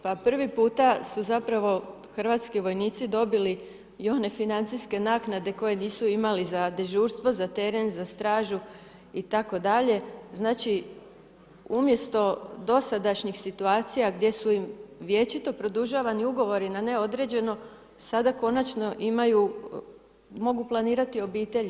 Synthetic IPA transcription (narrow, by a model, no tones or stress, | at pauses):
papr̩ʋipuːt̪asuzapɾaʋo̞ | xr̩ʋaːt̪skiʋo̞jniːt̪sid̪o̞bili | joːne̞finant̪siske̞naknad̪e̞ko̞je̞niːsuimalizad̪e̞ʒuːɾst̪ʋo̞zat̪e̞ɾe̞nzast̪ɾaːʒu | it̪ako̞d̪aʎe̞znaːt͡ʃi | umje̞st̪o̞d̪o̞sad̪aʃɲixsit̪uaːt̪sijaɡd̪ʲje̞suimʋje̞t͡ʃit̪o̞pɾo̞d̪uʒaʋaniuɡo̞ʋo̞ɾinane̞o̞d̪ɾe̞d͡ʑe̞no̞ | sad̪ako̞nat͡ʃno̞ʔimaju | mo̞ɡuplˠaniːɾat̪io̞biːt̪e̞ʎ